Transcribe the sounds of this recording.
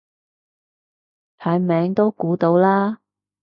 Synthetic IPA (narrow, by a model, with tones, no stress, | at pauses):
t̪ʰaː˨˧jmɛː˨˧˥ŋt̪o˥wkuː˨˥t̪o˨˧˥wlaː˥